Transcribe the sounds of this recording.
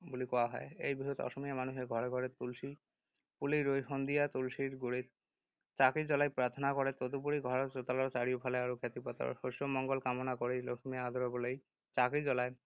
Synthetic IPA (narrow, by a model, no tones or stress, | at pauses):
bolikɔaɦɔeejbiɦot̪ɔ̰ʃomiamanuɦeɡʱɔɾeɡʱɔɾet̪ulʃi | puliɾojɦond̪ijat̪ulʃiɾɡuɾit̪̚ | t͡ɕakid͡ʑɔlajpɾaɾt̪ʰonakoɾet̪od̪upuɾiɡʱɔɾaɾt͡ɕot̪alaɾt͡ɕaɾiopʰaleaɾokʰet̪ipɔt̪a̰ɾʃoʃomɔŋɡolkamonakoɾejlokʰomiaad̪ʱoɾobolej | t͡ɕakid͡ʑɔlae